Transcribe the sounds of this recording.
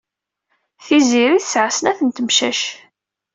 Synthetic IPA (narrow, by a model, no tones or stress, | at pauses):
θiziɾiθsʕasənæθənt̪əmʃæʃ